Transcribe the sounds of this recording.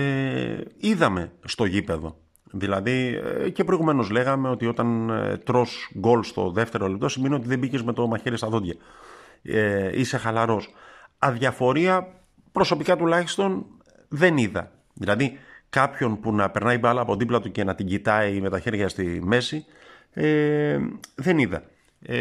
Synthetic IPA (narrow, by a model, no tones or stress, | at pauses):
iðɐme̞st̪o̞ʝipe̞ðo̞̰ | ðilɐðicepɾo̞iɣume̞no̞zle̞ɣɐme̞o̞t̪io̞t̪ɐnt̪ɾo̞sɡo̞lst̪o̞̰ðe̞ft̪e̞ɾolip̚t̪o̞simenio̞t̪iðe̞bicezme̞t̪o̞mɐçeɾist̪ɐðod̪ʝɐ | eise̞xɐlɐɾo̞sɐðʝɐfo̞ɾiɐ | pɾo̞so̞pikɐt̪ulɐçi̥st̪o̞n | ðe̞niðɐ̰ | ðilɐðikɐpço̞npunɐpe̞ɾnɐipɐlɐːpo̞ðiplɐt̪uce̞nɐt̪iɟit̪ɐime̞t̪ɐçe̞ɾʝɐst̪ime̞si | e | ðe̞niðɐ̰